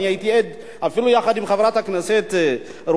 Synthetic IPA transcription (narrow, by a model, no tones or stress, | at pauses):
iait̪ied̪ | afilujaχad̪imχavɾat̪haknaset̪ | ɾ